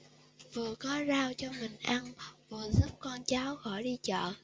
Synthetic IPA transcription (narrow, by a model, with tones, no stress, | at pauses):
vɨ˨˩əkɔ˨˦zaː˧wt͡ɕɔ˧mï˨˩ŋ̟ʔa˧nvɨ˨˩əzu˦˥p̚kɔ˧nt͡ɕaː˨˦wxɔ˧˩jɗi˧t͡ɕɔ̰ː˧˨n